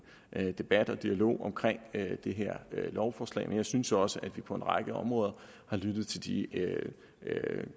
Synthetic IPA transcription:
ʔd̥e̝b̥æd̥ɒ̽d̥iælo̝̰ːɒ̽mkʰʁeŋ̰ød̥e̝ɦeɐ̰ølɒʊfɒːslɛ̰ɪmenjɑ̈ɪsynsɒ̽səʔæd̥ʋipʰɒ̽e̝nʁɑ̈ɡ̥əɒ̽mʁɔ̽ːð̞ˠɐ | hɑ̈lyd̥ð̞̩ˠt͡sʰe̝ld̥i | ø

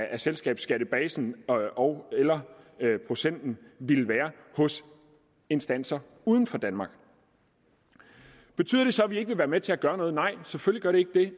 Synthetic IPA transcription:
ʔæselsɡ̥ɛ̰ːb̥sɡ̥æɾ̥əb̥ɛːsn̩ɒʊelɐpʰʁo̝sen̰d̥n̩ʋilʋæːɐhɔ̽s | e̝nsd̥æn̰sɐ | uːð̞ˠn̩fɒ̽d̥ænmɑ̈ːɡ̥ | b̥e̝t͡sʰyð̰ˠɐd̥e̝sɒ̽æʋie̝ɡ̥əʋe̝ʋæːɐmet͡sʰe̝æɡ̥ɶːɐnɔ̽ːðˠnɑ̈ɪ̰seføliɡ̥ɶɐɾ̥e̝e̝ɡ̥əd̥e̝

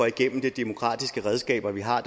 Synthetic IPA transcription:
ɒiɡ̥en̰m̩d̥e̝d̥e̝mo̝kʰʁɑ̰̈ːd̥isɡ̥əʁɛð̞ˠsɡ̥ɛ̰ːb̥ɐʋiɦɑ̈d̥

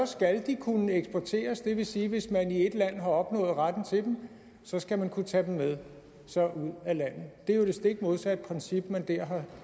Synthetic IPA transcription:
ɒ̽sɡ̥æld̥ikʰunəeɡ̥sb̥ɒt͡sʰe̝̰ːɐsd̥e̝ʋe̝siːʋe̝smænie̝d̥læn̰ɦɑ̈ɒ̽b̥nɔ̰̽ːð̩ˠʁad̥n̩t͡sʰe̝d̥em̩ | sɒ̽sɡ̥æmænkʰut͡sʰɛd̥em̩með̞ˠ | sɒ̽ʔuð̰ˠælæn̰ð̩ˠd̥e̝jod̥e̝sd̥e̝ɡ̥moðˠsæed̥̚pʰʁɛnsib̥mænd̥æɐ̰ɦɑ̈

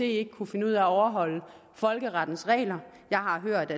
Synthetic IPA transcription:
e̝̰ːe̝ɡ̥əkʰufe̝nəuð̰ˠæɒʊɐɦɒ̽l̰ə | fɒ̽lɡ̥əʁɑ̈d̥n̩sʁɛ̰ːlɐ | jɑ̈ɪɦɑ̈ɦøɐ̰d̥æ

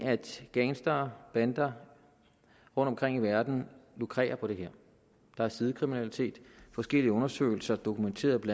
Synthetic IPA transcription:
æd̥ɡ̥eːnsd̥ɐb̥ænd̥ɐ | ʁɔ̽n̰d̥ɒ̽mkʁeŋ̰iʋæɐd̥n̩lokʰʁɛ̰ːɐpʰɒ̽d̥e̝ɦeɐ̰ | d̥ɑ̈æɐsiðˠəkʰʁiminælit͡sʰe̝̰ːd̥fɒ̽sɡ̥el̰iəɔ̽nɐsø̰ːɪl̩sɐd̥o̝kʰument͡sʰe̝̰ːɐðˠb̥l

